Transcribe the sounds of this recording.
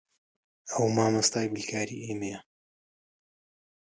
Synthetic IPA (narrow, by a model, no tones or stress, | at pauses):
ɐwmaːmɐst̪aːjbɨlkʰaːɾḭːʔejmɛjɐ